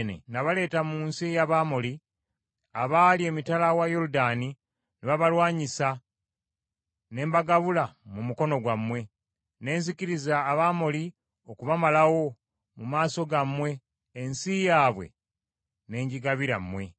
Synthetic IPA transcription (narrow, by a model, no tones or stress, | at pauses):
nḛnaβale̞ːtamuːnsijaβamoli | aβaːlie̞ːmitalawajoɾudaːni | neβaβalwaːɲisa | ne̞ːmbaɡaβulamumuko̞no̞ɡwamwe̞ | ne̞ːnziciɾizaːβamoli | o̞kuβamalawo̞ | mumaːso̞ɡamːwe̞ː | nsijaːβwe̞̰ | ne̞ːɲɟiɡaβiɾa̰mːwe̞